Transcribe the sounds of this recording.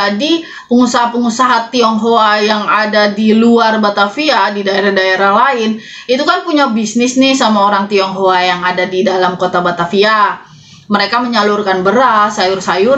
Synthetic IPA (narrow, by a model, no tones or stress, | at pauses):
adi | pəŋusaɦapəŋusaɦat̪iɔŋɦoajaŋadadiluarbat̪afiadidaeɾahdaeɾahlaɪn | it̪ukanpuɲabisnɪsnɪsamaoɾaŋt̪iɔŋɦoajaŋadadidalamkot̪abat̪afia | məɾekaməɲalurkanbəɾasajʊrsajʊr